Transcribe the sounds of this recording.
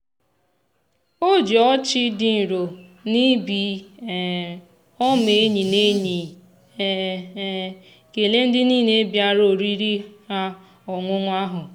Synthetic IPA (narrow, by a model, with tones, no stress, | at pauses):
o˦˨d͡ʒɔ˦t͡ʃɪ˦di˨n̩˨ɾo˨ni˦bi˨ | ɔ˦me˨˦ɲi˨ne˦ɲi˨˦ | ke˨le˦n̩˦dɪ˦niː˦˨ne˦bja˦ɾo˨ɾi˦ɾi˦ha˦ | ɔ˨ŋʷʊ˦ŋʷ˦a˦ɦʊ˨